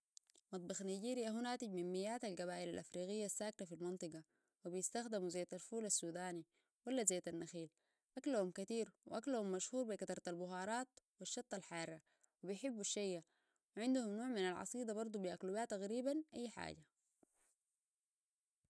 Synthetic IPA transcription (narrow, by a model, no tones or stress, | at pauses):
mɑt̪̚ˤbɑxnaɟiːɾiʔaɦunaːt̪iɟminmijːaːt̪alɡaβaːʔilalʔafɾiːɣijːasːaːk̚nafilmɨnt̪ˤɨɡɑ | wibijist̪axd̪imuzajːt̪alfuːlasːuːd̪aːni | walːazajːt̪anːɑxiːl | ʔaklahumkat̪iːɾwʔaklahumːaʃhuːɾbikɑt̪ɑɾˤt̪albʊɦɑːɾˤɑːt̪̚wiʃːɑt̪ˤːɑlħɑːrˤːɑ | wibijħɪbːuʃːajːa | wiʕɪnd̪uhumnoːʕminalʕɑ̰sˤiːd̪ɑbɑɾˤd̪ˤubiʔaklubiat̪ːaɣɾiːbanʔajːħa̰ːɟa